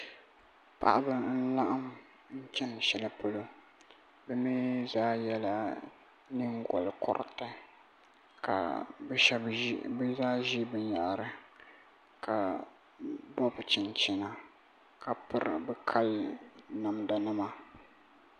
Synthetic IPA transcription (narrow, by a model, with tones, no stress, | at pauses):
pa̰˨ʔa˦bɨ˨n̩˦la˦ʔa˦m | n̩˦t͡ʃɛ˦n˨ʃɛ˨la˨po˦lo˦ | bɛ˦mi˦zaː˦jɛ˦la˦ | nɨ˦ŋɡɔ˨lkɔ̰˨ɾ̰tɨ˦ | ka̰˨bɛ˦bbɨ˦zaː˦ʒi˦bɨ˨˦ɲa˨ʔɾɨ˨ | ka˨ | bɔ˦bt͡ʃɪ˨nt͡ʃɪ˨na˨ | ka˨pɨ˦ɾɨ̰˨bɨ˦kʰa˦lna˨mda˨nɨ˦ma˦